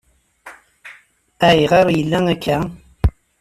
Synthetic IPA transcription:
æiʁɑɾˤjəlːæŋækʰːæ

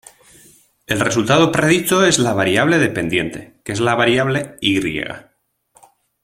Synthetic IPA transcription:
e̞lre̞sult̪að̞opɾeð̞it̪oe̞zlaβ̞aɾjaβ̞le̞ðe̞pe̞nd̪je̞̰nt̪e̞̰ke̞zlaβaɾjaβle̞iɣɾjḛɣa̰

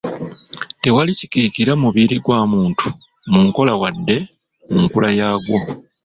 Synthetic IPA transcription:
te̞walici̥kiːkiɾamuβiɾiɡwaːmuːntu̥ | muŋko̞lawadːe̞ | muŋkulajaːɡwo

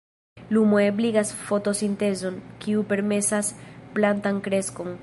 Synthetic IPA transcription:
lumoebliɡasfo̞to̞sint̪e̞zo̞nkiupe̞ɾme̞sasplantaŋkɾe̞sko̞ŋ

